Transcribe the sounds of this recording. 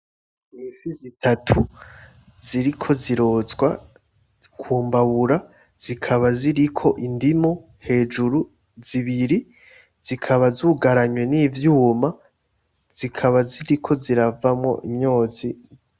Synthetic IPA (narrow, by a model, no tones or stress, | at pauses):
fizitʰatʰu | z̥iɾikʰo̞ziɾo̞ːzɡwa | kʰuːmbaβuɾa | z̥ikʰaβaziɾikʰo̞ʔindimo | he̞ːd͡ʒuɾu | ziβiɾi | z̥ikʰaβazuːɡaɾaɲwe̞niːvjuːma | z̥ikʰaβaziɾikʰo̞ziɾavamŋo̞̰ʔimɲo̞ːzi